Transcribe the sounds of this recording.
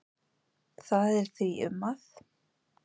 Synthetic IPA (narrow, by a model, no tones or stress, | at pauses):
θaðɛɾ̥θviʏ̰mːaθ